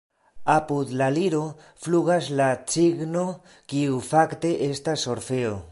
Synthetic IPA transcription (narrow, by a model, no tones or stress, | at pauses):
apud̪laliɾo̞ | fluɣaslat͡siɡno̞ | kiufakt̪e̞ʔe̞stasːo̞ɾfeo